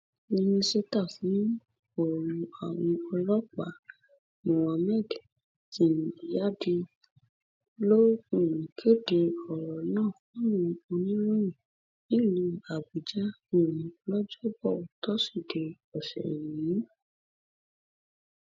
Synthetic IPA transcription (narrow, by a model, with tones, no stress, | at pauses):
nĩ˧nĩ˧se˧ta˦˨fũ˨˦ | o˦˨ɾũ˧a˨w̃ɔ̃˧ɔ˧lɔ˦k͡pa̰˨˦ | mɔ̃˨w̃ã˧mɛ˦˨d | tĩ˧˨ñ˨i˨ja˦˨di˧ | lo˦ĩ˨ɾũ˨kʰe˦˨de˧ɔ˨ɾɔ˨nãː˦˨kɔ̃˨˦nũ˧o˧nĩ˦ɾõ˦ĩ˨ | ĩ˦˨lĩ˧a˨bi˨d͡ʒa˦ | ĩ˦˨ɾũ˨lɔ˦d͡ʒɔ˦bɔ˦˨o˨tɔ˦si˦˨de˨ | ɔ˨ʃɛ̰˨j̃ĩ˨˦